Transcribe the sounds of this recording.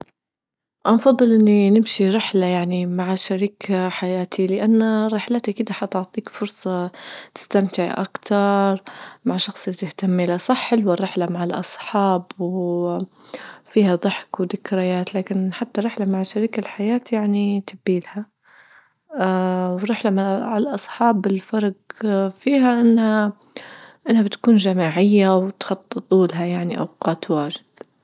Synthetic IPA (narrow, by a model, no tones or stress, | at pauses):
ʔɑnfɑðˤːɨlʔɪnːinɪmʃiɾɪħlajaʕnimaʕaʃaɾiːkʰaħajaːt̪ʰilɪʔanːaɾɪħlat̪akɪd̪aħɑt̪ʊʕt̪ˤiːkfʊɾsˤɑt̪ɪ̥st̪amt̪ɪʕʔa̰kt̪ɑɾˤmaʕʃɑxsˤlt̪ɪht̪amːʔɪlasˤɑħːɪlwɪrːɪħlamaʕɪlʔɑ̰sˤħɑːbw | fiːhaðˤɨħkwd̪ɪkɾajaːt̪laːkɪnħat̪ːaɾˤːɪħlamaʕʃaɾiːkalħajaːt̪jaʕnit̪ɪbːiːlha | wɪrːɪħlamaʕʕlʔɑsˤħɑːbɪlfɑɾˤɡfiːɦaʔɪnːha | ʔɪnːhabɪt̪kuːnʒamaːʕɪjːawt̪xɑt̪ˤːɨt̪ˤːuːlɦajaʕniʔa̰wqɑːt̪waːʒɪd̪̥